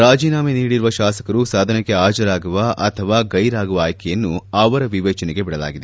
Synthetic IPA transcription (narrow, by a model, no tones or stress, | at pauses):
ɾaːd͡ʒiːnaːmeniːɽiɾuʋɐʃaːsɐ̥kɐɾusaːd̪ʱɐnɐkːeaːd͡ʒɐɾaːɡuʋɐʔɐt̪ʰɐʋaːɡɐjɾaːɡuʋɐaːjkʰɐjɐnːuɐʋɐɾɐʋiʋɛːt͡ʃɐneɡe̞biɽɐla̰ːɡid̪e